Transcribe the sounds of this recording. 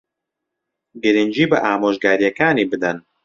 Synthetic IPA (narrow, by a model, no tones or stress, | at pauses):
ɡɨɾɨnd͡ʒiːbɐʔaːmoːʒɡaːɾijɛkaːniːbɨd̪ɐn